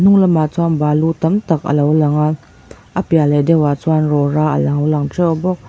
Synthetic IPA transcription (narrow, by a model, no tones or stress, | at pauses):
n̥uŋlamat͡sʰwanbaːlut̪ɐmt̪ak̚ʔə̰lawlɐŋa | ʔapialɛdɛwat͡sʰwanrɔɾaʔə̰laŋwlaŋʈ͡ʂʰɛwbɔk̚